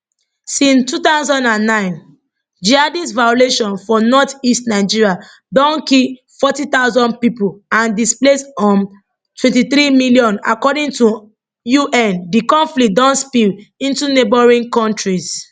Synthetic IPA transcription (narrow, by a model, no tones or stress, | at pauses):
sĩnstut̪aʊzɔ̃ndãnːãɪ̃n | d͡ʒiadisvajoleʃɔ̃nfɔnɔtistnaɪd͡ʒiɹia | dɔ̃nkil | fɔtit̪aʊzɔ̃nd̚pipuãndisplesɔ̃n | twɛ̃ntiθɹimiljɔ̃na̰kɔdĩŋtu | juʔɛ̃ndikɔ̃nflik̚dɔ̃ntspilĩntunebɔɹĩnkɔ̃ntɹis